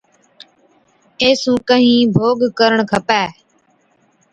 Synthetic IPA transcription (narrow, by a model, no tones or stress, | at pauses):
eːsũːkəɦĩːbʱoːɡkəɾəɳkʰəpɛː